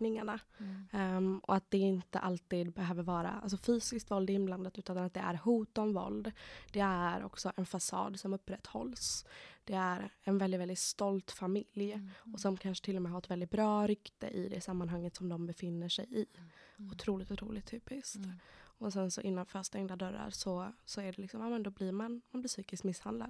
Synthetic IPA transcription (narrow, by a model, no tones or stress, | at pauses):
nɪŋaɳa | ʔɔ̰at̪̚d̪ɛɪnt̪ə̰ʔalt̪iːd̪bɛɦøːvəɾvɑːɾa̰a̰lsɔfyːsɪskt̪vɔld̪ɪnbland̪at̪ʉ̟ːt̪ananat̪̚d̪ɛʔæ̰ɾhuːt̪ɔmvɔ̰ld̪d̪̥ɛæɾɔ̰ksɔʔɛnfasɑ̰ːd̪sɔmɵpːɾɛt̪ːhɔ̰lsd̪̥ɛæɾɛnvɛld̪ɪt̪vɛld̪ɪt̪st̪ɔlt̪famɪljɔsɔmkʰanʂə̥t̪ʰɪlːɔmɛːɦafɾɛt̪vɛld̪ɪt̪̚bɾɑːɾʏkt̪ə̰ʔɪd̪ɛsamːanɦaŋːət̪sɔmd̪ɔmbɛfɪnːəʂɛjɪʊt̪ʰɾuːlɪt̪ʊt̪ʰɾṵːlɪt̪ʰːyːpɪskt̪ɔsɛnsɔʔɪnːanfœɾast̪ɛŋd̪ad̪œɾːa̰ɾʂɔsɔæɖɛlɪksɔmaːmɛnd̪ɔblɪɾmanmanblɪʂyːkɪsk̪mɪshand̪la̰d̪